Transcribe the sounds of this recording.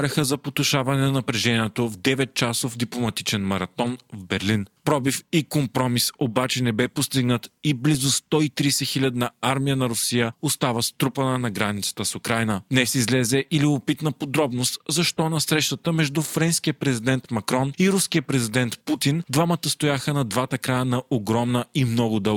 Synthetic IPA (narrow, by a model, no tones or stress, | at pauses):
ɾʲɛxəzɐpot̪ʊʃavɐnɛnɐnɐpɾɛʒɛniɛt̪ovd̪ɛvɛt̪̚t͡ʃasovd̪iplˠomɐt̪it͡ʃɛnmɐɾɐt̪ɔnvbɛɾlinpɾɔbifikompɾɔmisobat͡ʃɛnɛbɛpost̪iɡnət̪iblizʊst̪ɔit̪ɾiːsɛxilʲɐd̪nɐaɾmijənɐɾʊsijəost̪avəst̪ɾupənənɐɡɾanit̪sə̥t̪əsʊkɾajnəd̪nɛsizlɛzɛʔiliopit̪nəpod̪ɾɔbnost̪zɐʃt̪ɔnɐsɾɛʃt̪ət̪əmɛʒd̪ufɾɛnskijəpɾɛzid̪ɛnt̪mɐkɾɔniɾuskijəpɾɛzid̪ɛnt̪put̪ind̪vamət̪əst̪ojaxənɐd̪vat̪əkɾajənɐʔoɡɾɔmnəimnɔɡʊd̪ɤ